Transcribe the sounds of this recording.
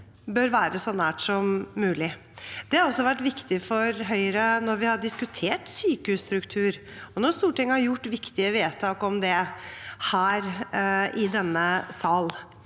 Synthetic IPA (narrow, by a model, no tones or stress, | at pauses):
bøɾʋæːɾəsɔnæːʈsɔmːʉːlɪ | d̪̥ɛhɑɾɔsːɔʋæʈːʋɪkt̪ɪfɔɾɦœʏəɾənɔɾʋɪhɑɖɪskʉt̪ʰeːʈsyːkəhʉːst̪ɾʉkt̪ʰʉːɾ | ɔnɔst̪uːʈɪŋːəhɑɾjʊʈːʋɪkt̪ɪəʋeːt̪ʰɑːkɔmd̪ɛhæːɾʔɪd̪ɛnːəsɑːl